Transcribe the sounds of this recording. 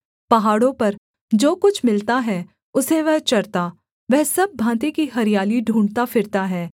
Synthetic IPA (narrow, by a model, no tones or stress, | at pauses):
pɐɦaːɽõpɐɾ | d͡ʒoːkʊt͡ʃʰmɪlt̪aɦɛ | ʊseʋɐɦt͡ʃɐɾt̪aː | ʋɛɦsɐb̚ːʱãːt̪̬ikiɦɐɾijaːliɖʱũːɳɖt̪afɪɾt̪aɦɛː